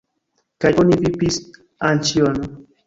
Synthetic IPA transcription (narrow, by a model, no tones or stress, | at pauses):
kajonivipis | ant͡ʃiono